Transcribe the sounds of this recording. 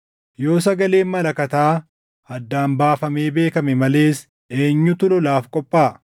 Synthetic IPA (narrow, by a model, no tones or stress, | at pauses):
jo̞ːs̬ɐɡɐle̞ːmmɐlɐkɐt̪aː | ɐd̪ːaːmbaːfɐme̞ːbe̞ːkɐmɛmɐle̞ːs | eːɲːʊt̪ʊlɔlaːfkʼɔpʼːaː